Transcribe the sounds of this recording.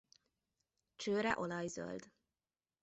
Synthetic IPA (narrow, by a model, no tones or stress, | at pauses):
t͡ʃøːɾɛ̰ʔolɒjzø̰ld̪